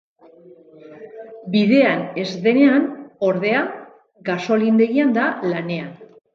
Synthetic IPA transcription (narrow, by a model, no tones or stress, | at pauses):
biðe̞ane̞zðe̞ne̞ano̞ɾðe̞a | ɡaso̞lind̪e̞ɣiand̪alane̞an